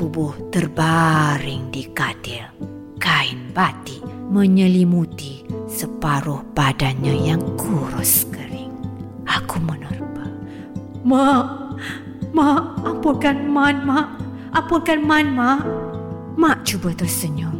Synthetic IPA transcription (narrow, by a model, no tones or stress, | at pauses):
tubʊht̪ərbaɾɪŋdikadir | kainbat̪iʔməɲəlimut̪isəpaɾʊhbadanɲəjaŋkʰuɾʊskəɾɪŋ | akumənərbə | maʔ | maʔapukanmanmaʔ | ʔapukanmanmaʔ | maʔt͡ʃubət̪ɔsəɲo